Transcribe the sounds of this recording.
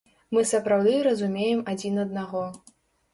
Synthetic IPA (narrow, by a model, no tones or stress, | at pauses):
mɨsɐpɾawd̪ɨɾɐzumʲejɛmad͡zʲinɐd̪̚naɣɔ